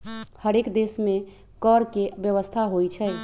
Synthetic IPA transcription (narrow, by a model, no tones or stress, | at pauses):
həɾekd̪esme | kɔɾkebjəʋəst̪ʰaɦojt͡ʃʰəj